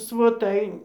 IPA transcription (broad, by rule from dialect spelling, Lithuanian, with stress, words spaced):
sʋoːˈtɐɪ